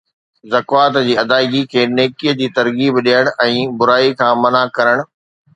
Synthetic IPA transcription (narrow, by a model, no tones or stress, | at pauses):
zɐkʋaːt̪d͡ʑiːɐd̪aːɪɡikʰeːneːkiːəd͡ʑiːt̪ɐɾɡiːbɗijəɽ̃ɛ̃ːbʊɾaːikʰãːmɐnakɐɾəɽ̃ʊ̆